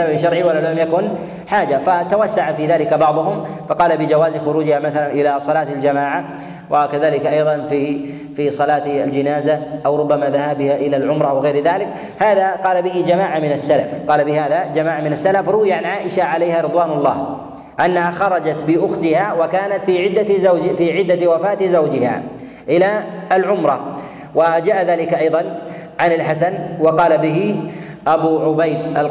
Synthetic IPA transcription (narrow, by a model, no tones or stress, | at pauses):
ababʃɑɾˤʕiwalːallamjakʊn | ħaːd͡ʒafat̪awasːaʕafiðaːlɪkabɑʕðˤʊɦʊmfɑqɑːlabɪd͡ʒawaːzxʊɾuːd͡ʒɪhamaθalanʔɪlasˤɑlaːt̪ald͡ʒamaːʕa | wʔakaðaːlɪkaʔɑjðˤɑnfi | fisˤɑlaːt̪a̰ld͡ʒɪnaːzaʔawɾˤʊbːamaðahaːbɪhaʔɪlalʕʊmɾˤɑwɣeːɾðaːlɪk | haːðaqɑːlabɪhɪd͡ʒamaːʕamɪnasːalafqɑːlabɪhaːðad͡ʒamaːʕamɪnasːalafɾˤʊwɪjaʕanʕaːʔɪʃaʕalajhaːɾɨd̪ˤwaːnʊlˤːɑ̰ːh | ʔanːahaxɑɾˤɑd͡ʒat̪bɪʔʊxt̪ɪhawakaːnat̪fiːʕɪd̪ːaafiːʕɪd̪ːawafaːt̪ɪzawd͡ʒɪha̰ː | ʔɪlaalʕʊmɾˤɑ | wad͡ʒaːʔaðaːlɪkʔɑjðˤɑn | ʕanɪlħasanwɑqɑːlabɪɦɪʔabuʕʊbajd̪ʔal